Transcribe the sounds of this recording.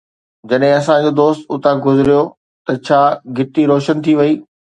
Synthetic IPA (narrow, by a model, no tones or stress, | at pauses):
d͡ʑɐɗɦɪ̃ɐsãd͡ʑoːd̪oːst̪ʊt̪aɡʊzɪɾijo | t̪ɐt͡ɕʰaːɡʱɪʈiɾoːʃənt̪ʰiʋɐiː